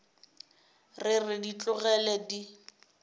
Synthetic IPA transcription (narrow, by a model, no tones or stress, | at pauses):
rɪrɪdit͡ɬʼʊɣɛlɛdi